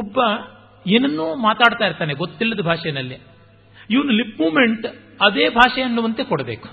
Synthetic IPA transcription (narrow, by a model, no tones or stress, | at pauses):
ɔbːɐ | eːnɐnːuːmaːt̪aːɽt̪aːjiɾt̪aːneɡot̪ːilːɐd̪ɐbʱaːʂɐjɐnɐlːi | iʋɐnɐlipmuːmeɳʈ | ɐd̪eːbʱaːʂɛɐnːuʋɐnt̪ekɔɽɐbeːku̥